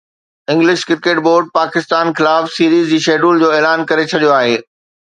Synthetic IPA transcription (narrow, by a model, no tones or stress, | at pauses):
ɪ̃ŋɡlɪʃkɪɾkeːʈboːɾɖ̚paːkɪst̪aːnxɪlaːfsiːɾiːzd͡ʑiːʃeːɖuːld͡ʑoːɛːlaːnkɐɾet͡ɕʰɐɗijoaːɦeː